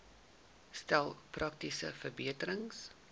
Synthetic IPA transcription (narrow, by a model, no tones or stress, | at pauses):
stælˠprʔɐk̚tisə̰fərbiətəɾəŋs